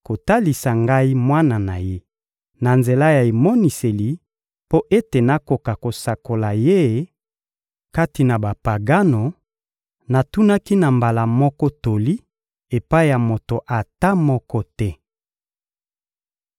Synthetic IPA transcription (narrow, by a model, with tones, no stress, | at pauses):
ko˨ta˦li˨sa˨ŋɡa˦i˦mwa˦na˨na˨je˦ | na˨nze˨la˦ja˨e˨mɔ˦ni˨se˨li˨ | po˦ʔe˦te˨na˦ko˨ka˨ko˨sa˨ko˨la˨je˦ | ka˦ti˨na˨ba˨pa˨ɡa˦no˨ | na˨tu˦na˦ki˦na˨mba˨la˨mɔ˦kɔ˦to˨li˦ | e˨pa˦i˦ja˨mo˨to˨ʔa˨ta˦mɔ˦kɔ˦tɛ˦